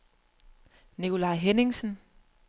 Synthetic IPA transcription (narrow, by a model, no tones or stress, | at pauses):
nikʰo̝lɑ̈ɪɦeneŋsn̩